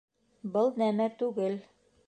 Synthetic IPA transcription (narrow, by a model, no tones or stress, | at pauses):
bɤlˠnæmæt̪ʉɡɘl